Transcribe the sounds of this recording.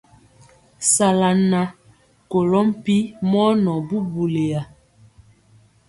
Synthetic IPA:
sa˨la˨na˨ | ko˨lɔ˦m˦pi˦mɔ˦nɔ˨bu˦bu˨le˨ja˨

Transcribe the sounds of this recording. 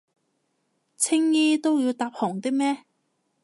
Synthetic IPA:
t͡sʰɪ˥ŋjiː˥t̪o˥wji˨˧wt̪aː˧p̚hɔː˨˩ŋt̪ɪ˥k̚mɛː˥

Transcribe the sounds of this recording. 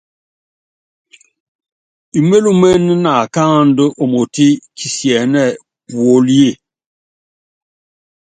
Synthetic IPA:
i˨me˦lu˦mɛ˦n˦na˨kã˦˨n˦də˦ʔo˨mo˨ti˦ki˨sjɛ˨nɛ˦˨ | pwo˦lje˦˨

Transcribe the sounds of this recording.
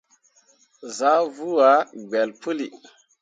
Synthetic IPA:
za˦vu˦a˦ɡ͡bɛ˨lpʰə˦li˨

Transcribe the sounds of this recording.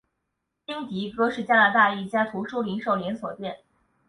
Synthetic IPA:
t͡ɕi˥ŋt̪i˧˥kɤ˥ʂɻ̩˥˩t͡ɕja˥na˧˥t̪a˥˧i˥˩t͡ɕja˥t̪ʰu˧˥ʂu˥li˧˥ŋʂo˥˩ʊljɛ˧˥nswɔ˨˩t̪jɛ˥˩n

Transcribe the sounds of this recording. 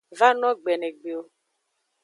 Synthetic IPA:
va˦nɔ˦ɡ͡bɛ˨ne˨ɡ͡be˨o˦

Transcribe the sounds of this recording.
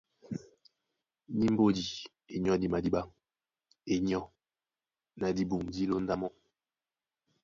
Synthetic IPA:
ni˦m̩˦bo˦di˨ | e˨ɲ˦ɔ˦di˨ma˨di˦ɓa˦ŋ | e˨ɲ˦ɔ˦ | na˨di˦bu˨ŋdi˦lo˦n˦da˦mɔ˦

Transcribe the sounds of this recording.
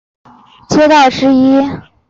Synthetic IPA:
t͡ɕjɛ˥t̪ɑ˥˩ʊʂɻ̩˧˥i˥

